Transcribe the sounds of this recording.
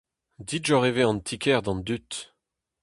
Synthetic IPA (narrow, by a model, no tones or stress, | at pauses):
d̪iʒɔʁeveɑ̃nt̪ʰikʰɛʁd̪ɑ̃nd̪yt̪